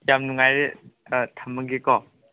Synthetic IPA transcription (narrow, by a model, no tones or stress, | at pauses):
jamnuŋajɾe | tʰamɯɡikɔ